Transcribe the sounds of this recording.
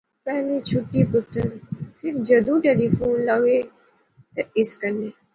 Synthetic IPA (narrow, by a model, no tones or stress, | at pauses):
pɛɦlẽt͡ʃʰʊʈːĩpʊt̪ʰːəɾsɪɾfd͡ʒəd̪ũːʈeːliːfuːnlɐʋe | t̪ɐɪskənːeː